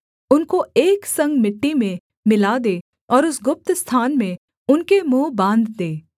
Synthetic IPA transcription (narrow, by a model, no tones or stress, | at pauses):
ʊnkoeːksɐ̃ŋɡmɪʈːimẽ | mɪlad̪eː | ɔːɾʊsɡʊp̚t̪st̪ʰaːnmẽ | ʊnkemõːbãːnd̪d̪eː